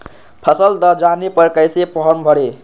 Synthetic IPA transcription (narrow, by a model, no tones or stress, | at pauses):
pʰəsəld̪əd͡ʒanepəɾkəjsepɔɦənbʱəɽe